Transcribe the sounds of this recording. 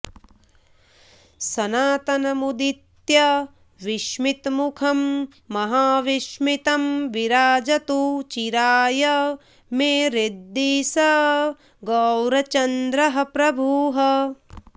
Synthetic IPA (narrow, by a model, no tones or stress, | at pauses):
sɐnaːt̪ɐnɐmud̪it̪jɐ | ʋiʃmit̪mukʰɐmː | ɐɦaːʋiʃmit̪ɐmʋiɾaːd͡ʒɐt̪ut͡ʃiɾaːjɐ | meːɾid̪ːisɐ | ɡɐwɾɐt͡ʃɐnd̪ɾɐɦɐpɾɐbʱuːɦɐ